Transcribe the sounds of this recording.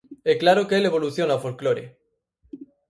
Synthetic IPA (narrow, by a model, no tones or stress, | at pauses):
eklaɾokeeleβ̞oluθjonawfolkloɾḛ